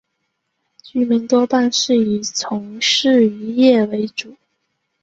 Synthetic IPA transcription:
t͡ɕy˧˥mi˧˥ŋt̪wɔ˥pa˥˧nʂɻ̩˥˩i˨˩t͡sʰʊ˧˥ŋʂɻ̩˥˩y˧˥jɛ˥˩we˧˥ɪʈ͡ʂu˨˩˦

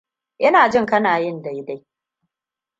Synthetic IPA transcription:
ʔɐ˦naː˨d͡ʒɪ˦ŋkɐ˦naː˨jɪ˦˨nda˨jda˦j

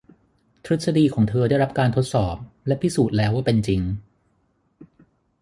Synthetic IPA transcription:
t̪ʰɾɯ˦˥t̪̚sa˧diː˧kʰɔː˩˦ŋt̪ʰɤː˧daː˥˩jɾa˦˥p̚kaː˧nt̪ʰo˦˥t̪̚sɔː˨˩p̚lɛ˦˥pʰi˦˥suː˨˩t̪̚lɛː˦˥wːaː˥˩pe˧nt͡ɕi˧ŋ

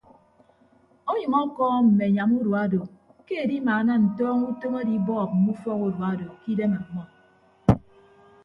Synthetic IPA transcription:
o˦ɲɨ˨mɔ˦kɔː˦m̩˨me˨ɲa˨mu˦du˨a˦do˨ | ke˦e˨di˦maː˨˦na˦n̩˨tɔː˦ŋu˦to˦ŋe˦di˦bɔː˦˨k̚m̩˨mu˦fɔ˦ku˦du˨a˦do˨ki˦de˦ma˨ŋʷa˦

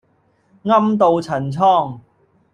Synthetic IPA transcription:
ŋɐ˥mt̪o˨wt͡sʰɐ˨˩nt͡sʰɔː˥˩ŋ

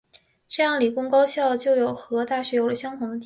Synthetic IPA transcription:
ʈ͡ʂɤ˥˧jɑ˥˩ŋli˨˩kʊ˥ŋkɑ˥ʊɕjɑ˥˩ʊt͡ɕjo˥˩ʊjo˨˩ʊxɤ˧˥t̪a˥˩ɕɥɛ˧˥jo˨˧˥ʊlə˧˩ɕjɑ˥ŋt̪ʰʊ˧˥ŋd̪ə˧˥

